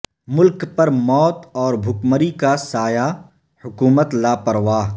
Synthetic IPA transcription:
mʊlkpɐɾmɔːt̪ɔːɾbʱʊkməɾikasaːja | hʊkuːmət̪laːpɐɾʋaː

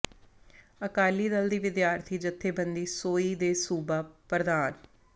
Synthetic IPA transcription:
əkaːliːd̪əld̪iːʋɪd̪jaːɾt̪ʰiːd͡ʒət̪ʰːeːbənd̪iːsoːiːd̪eːsuːbaːpɾəd̪aːn

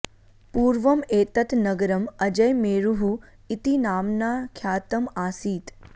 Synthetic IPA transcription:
puːɾʋɐmeːt̪ɐt̪nɐɡɐɾɐmɐd͡ʒɐjmeːɾuɦu | it̪inaːmnaːkʰjaːt̪ɐmaːsiːt̪

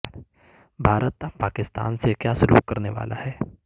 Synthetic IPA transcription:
bʱaːɾət̪ːapaːkɪst̪a̰ːnsekjaːsʊlṵːkkːɐɾneʋa̰ːla̰ɦɛː

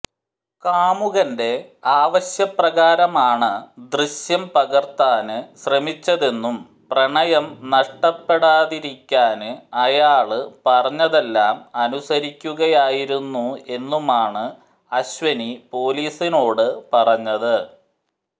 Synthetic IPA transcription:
kaːmuɣɐnde̞aːʋɐɕjɐprɐɣaːɾɐmaːɳɨd̪riɕjɐmpɐɣɐrt̪aːnɨɕrɐmit͡ɕːɐðe̞nːum | prɐɳɐjɐmnɐʂʈɐpːe̞ɽaːðiɾikʲːaːnɨɐjaːɭɨpɐrɐɲːɐðe̞lːaːmɐnusɐɾikʲːuɣɐjaːjiɾunːue̞nːumaːɳɨ | ɐɕʋɐnipo̞ːliːsino̞ːɽɨpɐrɐɲːɐðɨ

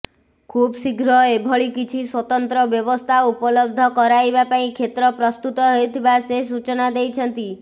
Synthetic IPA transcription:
kʰubsiɡɾɔebʱɔɭikit͡ʃʰiswɔt̪ɔnt̪ɾɔbjɔbɔst̪ʰaupɔlɔb̚d̪ʱɔkɔɾajbapaĩkʰet̪ɾɔpɾɔst̪ut̪ɔɦojt̪ʰibases̬ut͡ʃɔnad̪ejt͡ʃʰɔnt̪i

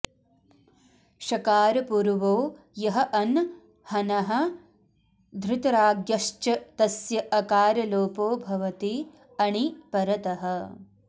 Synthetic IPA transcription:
ʃɐkaːɾɐpuɾʋoː | jɐɦɐ̆ʔɐn | hɐnɐɦɐ̆ | d̪ʱɾɪt̪ɐɾaːɡjɐʃt͡ʃɐt̪ɐsjɐʔɐkaːɾɐloːpoːbʱɐʋɐt̪i | ɐɳipɐɾɐt̪ɐɦɐ̆

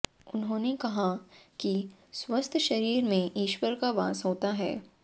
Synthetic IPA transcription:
ʊnɦõːnekɐɦakiswɐst̪ʰʃɐɾiːɾmẽʔiːʃwəɾkaʋa̰ːsɦoːt̪aɦɛ̰ː

